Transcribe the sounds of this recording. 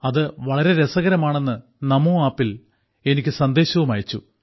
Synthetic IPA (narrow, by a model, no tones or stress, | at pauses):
ɐðɨʋɐɭɐɾe̞ɾesɐɣɐɾɐmaːɳe̞nːɨ | nɐmuːaːpːil | e̞nikʲːɨsɐnd̪e̞ːɕɐʋumaːjit͡ɕːu